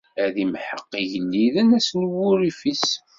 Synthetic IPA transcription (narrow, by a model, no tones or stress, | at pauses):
æðimħəqːiʝənːiðənæsnwʊɾifis